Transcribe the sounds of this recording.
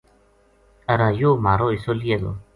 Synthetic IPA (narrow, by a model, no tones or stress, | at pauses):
əɾaːjoːmaːɾoːɪsolied̪o̰